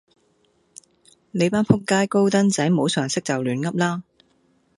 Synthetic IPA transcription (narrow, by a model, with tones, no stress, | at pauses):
le˨˧jpaː˥npʰʊ˥kːaː˥jko˥wt̪ɐ˥nt͡sɐ˨˥jmo˨˧wsœː˨˩ŋsɪ˥k̚t͡sɐ˨wlyː˨˥nŋɐ˥p̚laː˥